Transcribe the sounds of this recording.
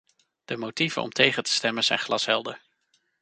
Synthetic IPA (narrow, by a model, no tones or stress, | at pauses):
d̥əmotiv̥ə̰nʔɔ̰mtʰejχəntə̥stɛmənz̥ɛjnχlɑsɦɛlˠdəɹ